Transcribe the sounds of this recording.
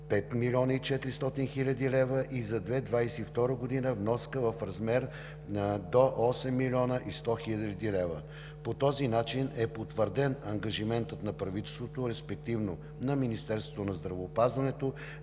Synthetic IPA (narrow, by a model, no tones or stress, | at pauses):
pɛt̪milʲɔnəit͡ʃɛt̪ɾist̪ɔt̪inxilʲɐd̪ilɛvəʔizɐd̪vɛd̪vajsɛift̪ɔɾəɡod̪inəvnɔskəvɐfɾɐzmɛɾ | nəd̪oʔɔsɛmːilʲɔnəʔist̪ɔxilʲllʲd̪ilɛvə̰ | pot̪ɔzinat͡ʃinɛpot̪vəɾd̪ɛnɐŋɡɐʒimɛnt̪ət̪nɐpɾɐvit̪ɛst̪vot̪oɾɛspɛk̚t̪ivno | nɐminist̪ɛɾst̪vott̪onɐzd̪ɾɐvoːpazvɐnɛt̪o